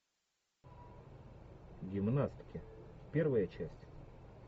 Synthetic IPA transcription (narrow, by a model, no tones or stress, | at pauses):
ɡʲɪmnasʲt̪ʲɪ̥kʲɪpʲervəjət͡ɕæsʲtʲ